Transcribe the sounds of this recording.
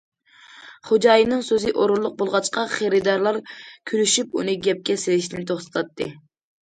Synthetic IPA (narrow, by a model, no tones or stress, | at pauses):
χod͡ʒɑjinɨŋsøzɨʔoɾuɾlˠːʊq̚bolˠʁɑt͡ʃqɑχeɾɨd̪ɑɾlˠɑɾkʲʰyɾyʃypṵnɨɡʲɛp̚kʲɛselɪʃnɪnt̪ʰoχsɨ̥t̪ʰɑt̪ʰːɨ̰